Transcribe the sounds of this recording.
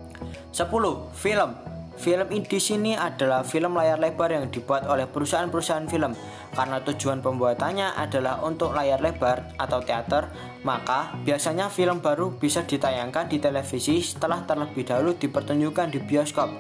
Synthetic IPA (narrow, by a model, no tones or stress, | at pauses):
səpulʊhfiləm | filəmid̥isiniad̥a̤lahfiləmlajarleb̥arjaŋd̥̪i̤b̥uat̪olɛhpəɾusaʔanpəɾusaʔanfiləm | kaɾənat̪u̥d͡ʒ̥uanpəmbuat̪aɲaʔa̰d̥a̤lahunt̪ʊk̚lajarleb̥ar | at̪awt̪eat̪ər | makab̥iasaɲafiləmba̤ɾub̥isad̪̥i̤t̪ajaŋkandit̪elefisisə̥t̪əlaht̪ərləb̥ɪhd̥alud̪̥i̤pərt̪uɲd͡ʒukandibiɔskɔp̚